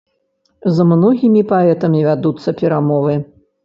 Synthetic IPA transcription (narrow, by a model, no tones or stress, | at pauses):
zmnɔɣʲimʲipaɛt̪ɐmʲivʲad̪ut̪sːɐpʲɛɾamɔvɨ